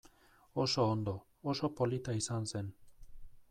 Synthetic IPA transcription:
oso̞ːnd̪o̞ː | so̞po̞lit̪aisanse̞n

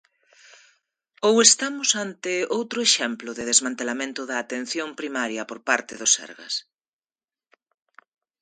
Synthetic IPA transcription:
owest̪amʊsant̪ɪowt̪ɾʊeʃɛmplʊðɪðezmãnt̪elamẽnt̪ʊðɐːt̪en̟θjompɾimaɾjɐpoɾpaɾt̪ɪðosɛ̰ɾɣɐ̰s

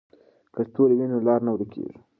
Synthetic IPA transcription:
kəst̪olewinolɑɾnawɾəkʰḛʐi̥

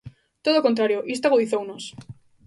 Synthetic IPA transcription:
t̪o̞ðoko̞nt̪ɾaɾjoʔist̪aɣoðiθounos

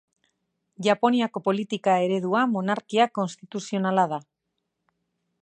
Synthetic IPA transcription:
ʝapo̞niako̞po̞lit̪ikae̞ɾe̞ðuamo̞naɾkiako̞nst̪it̪usio̞nalaða

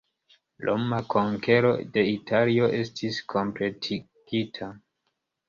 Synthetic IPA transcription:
lʔo̰makʰoŋkʰe̞ɾo̞̰de̞itʰalio̞ʔe̞stʰiskʰo̞mpletʰi | ɡ̥itʰa

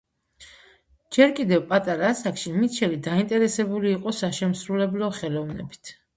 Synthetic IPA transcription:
d͡ʒɛɾkʼid̪ɛvpʼat̪ʼaɾasakʃimit̪ʃʰɛlid̪aint̪ʼɛɾɛsɛbuliːqʼɔsaʃɛmsɾulɛblɔχɛlɔvnɛbi̥t̪ʰ

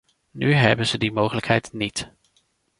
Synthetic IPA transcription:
nyɦɛ̰bənzədimowχələkɦɛjtnit

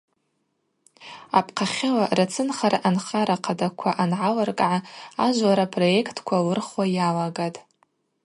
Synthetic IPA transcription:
a̰pʰqʰaχʲɪlarat͡sʰɨnχaɾaʔanχaɾaqʰadakʷʰaʔanʕalarkʼʕaaʒʷlaɾapʰro̞je̞kʰtʰkʷʰalɨrχwajalaɡatʼ

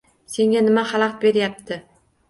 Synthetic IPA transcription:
se̞ŋʲanɪmahɑlˠɑqbe̞ɾjap̚t̪ʰɪ

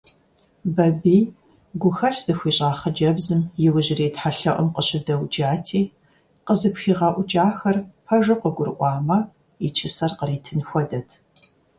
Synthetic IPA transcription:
bɐbiː | ɡʷʊxɐɬz̥ɨxʷiːɕʼaːχɐd͡ʒɐbzɨmjɪwʊʑɪreːtħaɬɐʔʷɔmqəɕɪdɐwd͡ʒaːtʰiː | qəzɨpxiːʁɑːʔʷʊd͡ʒaːxɐrpʰɐʒɐqəɡʷʊrʔʷɑːmɐ | it͡ʃʰɪsɐrqəɾiːtʰɨnxʷɔdɐtʰ

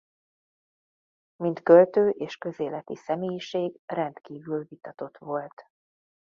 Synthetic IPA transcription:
mint̪kø̞lt̪øːʔeːʃkø̞zeːlɛt̪ḭsɛmeːjiʃeːɡrɛnt̪kiːvylvit̪ɒt̪o̞t̪ʋo̞lt̪

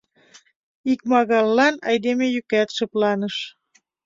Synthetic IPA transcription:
ik̚mɑɣɑlːɑnɑ̰jd̪emejykæt̪ʃɤ̆plɑnəʃ

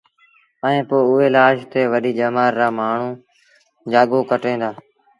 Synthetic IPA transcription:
əẽːpoːʊɦeːlaːʃt̪eːʋəɗiːd͡ʒəːmaːɾːaːmaːɳ̤ũː | d͡ʒaːɠoːkəʈẽːd̪aː

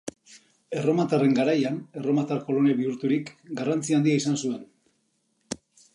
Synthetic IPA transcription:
e̞ro̞mat̪are̞ŋɡaɾajane̞ro̞mat̪arko̞lo̞ne̞βiuɾt̪uɾikɡarant͡siaːnd̪iaisansue̞n

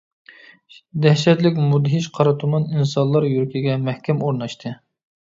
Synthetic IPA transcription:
d̪ɛhʃɛt̪lɪkʲmud̪ɦiʃqʰɑɾɑt̪ʰumɑninsɑnlˠɑɾjyɾɪkʲʰiɡʲɛmɛhkʲɛmoɾnɑʃt̪ʰɨ

